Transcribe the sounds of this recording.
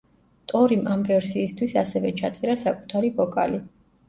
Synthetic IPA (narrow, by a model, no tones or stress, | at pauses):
t̪ʼɔɾimʔamvɛɾsiːst̪ʰwisasɛvɛt͡ʃʰat̪sʼɛɾasakʼu̥t̪ʰaɾivɔkʼali